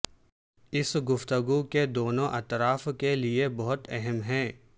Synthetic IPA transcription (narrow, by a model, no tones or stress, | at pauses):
ɪsɡʊft̪əɡuked̪oːnõʔɐt̪ɾaːfkeliebɔɦʊt̪ɛɦɛmɦɛ̃ː